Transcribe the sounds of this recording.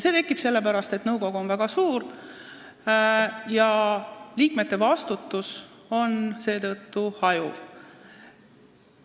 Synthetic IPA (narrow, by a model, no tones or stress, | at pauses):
se̞ːt̪e̞kːˑib̥se̞lːe̞pæɾɑst̪e̞t̪nɤwko̞ɡ̥uo̞nvæɡ̥ɑsuːr | jɑliːkme̞t̪ːˑe̞vɑst̪ut̪ːˑus | o̞nse̞ːt̪ɤ̞t̪ːuhɑjuv̥